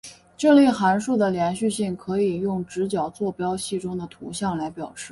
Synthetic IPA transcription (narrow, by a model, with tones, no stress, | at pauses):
ʈ͡ʂɤ˥˧li˥˩xa˧˥nʂu˥˩d̪ə˩ljɛ˧˥nɕy˥˧ɕi˥˩ŋkʰɤ˧˥i˨˩jʊ˥˩ŋʈ͡ʂɻ̩˧˥t͡ɕjɑ˨˩ʊt͡swɔ˥˩pjɑ˥ʊɕi˥˩ʈ͡ʂʊ˥ŋd̪ə˨t̪ʰu˧˥ɕjɑ˥˩ŋla˧˥ɪpjɑ˨˩ʊʂɻ̩˥˩